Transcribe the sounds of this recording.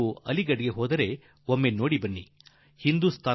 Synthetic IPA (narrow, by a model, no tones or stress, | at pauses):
uɐliɡɐɽɡe̞ɦoːd̪ɐɾe̞ | omːeno̞ːɽibɐnːi | hind̪ust̪ʰaː